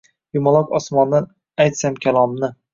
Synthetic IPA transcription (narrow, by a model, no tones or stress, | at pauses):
jimɒlˠɒkɒsmɒnːan | ajt̪samkʲʰalˠɒmnɪ